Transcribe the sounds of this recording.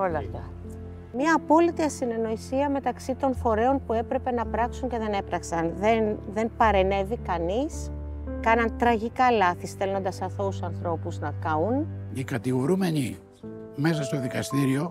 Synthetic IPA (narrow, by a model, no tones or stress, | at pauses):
olɐft̪ɐ | mɲɐːpo̞lit̪iɐsine̞no̞isiɐme̞t̪ɐksit̪o̞nfo̞ɾe̞o̞npue̞pɾe̞pe̞nɐpɾɐksuɲce̞ðe̞ne̞pɾɐksɐnðenðe̞npɐɾe̞ne̞vikɐniskɐnɐnt̪ɾɐʝikɐlɐθisθe̞lo̞nd̪ɐsɐθo̞usɐnθɾo̞puznɐkɐunikɐt̪iɣoɾume̞ɲi | me̞sɐst̪o̞ðikɐst̪iɾio̞